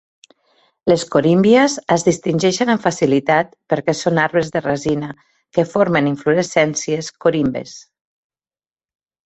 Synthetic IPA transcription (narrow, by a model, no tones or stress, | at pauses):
leskoɾimbiezəzðist̪inʲd͡ʒɛʃənəɱfasilit̪at̪̚pəɾkɛsonaɾβezðərazinə | kəfoɾmeniɱfluɾesɛnsieskoɾimbḛs